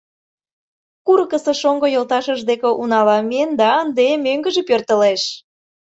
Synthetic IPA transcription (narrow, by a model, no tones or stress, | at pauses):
kuɾəkəsəʃoŋɡojolt̪ɑʃəʒd̪ekĕʔunɑlɑmend̪ɑənd̪emøŋɡəʒĕpørt̪ə̆leʃ